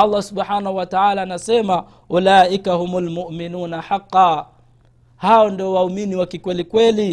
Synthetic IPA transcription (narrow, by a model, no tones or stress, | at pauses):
ɑlˤːasuɓħaːnahuwataʕaːlaːnasɛma | ʔulaːʔikahumulmʊʔminuːnaħaqːɑː | haɔndiɔwauminiwakikwɛlikwɛli